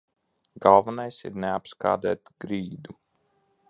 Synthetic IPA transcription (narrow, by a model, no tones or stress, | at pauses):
ɡalˠvanajsḭɾnɛapska̰ːd̪æ̰ːt̪ɡɾiːd̪u